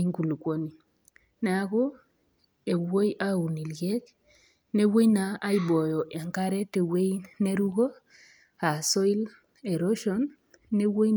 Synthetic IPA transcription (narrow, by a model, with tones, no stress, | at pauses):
i˦ŋku˨lu˨kʷo˦ni˨ | na˦a˦ko˦ | e˨wo˦ja˦u˨ni˨lje˦k | ne˦wo˦na˨a˦i˦bo˨jo˨ʔa˨ŋka˦ɾe˦te˨we˦jne˦ɾu˦ɡo˦ | ha˨so˦i˦l | e˨ɾo˦ʃo˦nː | e˦wo˦j